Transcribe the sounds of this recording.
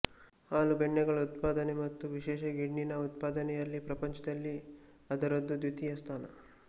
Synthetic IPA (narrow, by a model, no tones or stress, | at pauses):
haːlubeɳːɛɡɐɭɐut̪paːd̪ɐnemɐt̪ːuʋiʃɛːʃɐɡiɖninɐut̪̚paːd̪ɐnɛjɐlːipɾɐpɐɲt͡ʃɐd̪ɐlːi | ɐd̪ɐɾɐd̪ːud̪ut̪ʰijɐst̪ʰaːnɐ̰